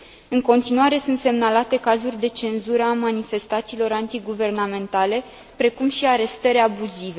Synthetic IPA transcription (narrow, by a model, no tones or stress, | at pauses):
ɨŋko̞nt̪inuaɾe̞sunt̪se̞mnalat̪e̞kazurʲd̪e̞t͡ʃe̞nzuɾəamanife̞st̪at̪siːlo̞ɾant̪iɡuve̞rnamẽ̞nt̪ale̞ | pɾe̞kumʃiaɾe̞st̪əɾʲabuzive̞